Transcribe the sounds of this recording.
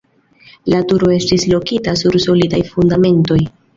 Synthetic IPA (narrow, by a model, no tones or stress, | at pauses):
latuɾo̞e̞stislo̞kitasuɾso̞lidajfundame̞nto̞j